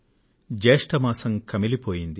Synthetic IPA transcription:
d͡ʒeːʂʈɐmaːsɐŋkʰɐmilipoːjind̪i

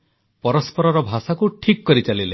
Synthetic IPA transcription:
pɔɾɔspɔɾɔɾɔbʱasakuʈʰikkɔɾit͡ʃalile

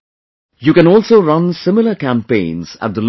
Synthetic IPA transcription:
juːkɨ̃nɔːlˠsoːɾʌ̃nsɪmɪləkæ̃mpḛ̃ɪ̃nz̥æ̰ʈ̚d̪əl

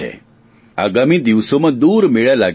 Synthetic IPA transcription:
ɛ̰ | a̰ɡamid̪iʋsomãd̪uːɾmeɭalaɡ

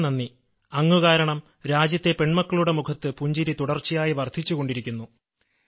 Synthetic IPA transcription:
nɐnːi | ɐŋːuɣaːɾɐɳɐm | ɾaːd͡ʑjɐt̪ːe̞pe̞ɳmɐkːɐɭuɽe̞mukʰɐt̪ːɨpuɲd͡ʑiɾit̪uɽɐrt͡ɕːijaːjiʋɐrd̪ʱit͡ɕːuɣo̞ɳɖiɾikʲːunːu

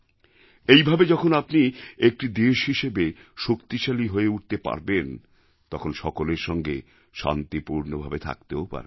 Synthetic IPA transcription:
ejbʱabed͡ʑɔkʰonapniek̚ʈid̪eʃɦiʃebeʃokt̪iʃaliɦoeuʈ̚t̪epa̰ɾben | t̪ɔkʰonʃɔkoleɾʃɔŋɡe | ʃa̰nt̪ipuɾnobʱabet̪ʰa̰kt̪eopa̰ɾe

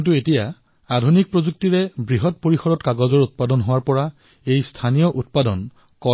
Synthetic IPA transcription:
nt̬uetija | adʱunik̚pɹozuk̚tiɹɛbɹiɦɔt̚poɹixɔdɔtkaɡɔzɔɹut̚padɔnɦʊwaɹpɔɹa | ejstʰanijɔʔut̚padɔn | kɔ

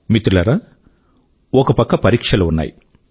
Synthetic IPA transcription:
mit̪ːɾulɐɾɐ | ɔkɐpɐkːɐpɐɾiːkʂɐlɐunːa̰ːj

